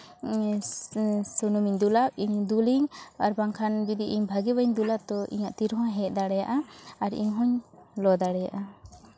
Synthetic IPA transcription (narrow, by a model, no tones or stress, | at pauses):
sunumiɲd̪ulap̚iɲd̪uliɲaɾbaŋkʰanbid̪iʔiɲbʱaɡibaiɲd̪ulap̚t̪ɔʔḭɲaʔt̪iɾɦɔ̃ɦɛt̪̚d̪aɽɛjaʔaaɾḭɲɦɔɲlɔd̪aɽɛjaʔa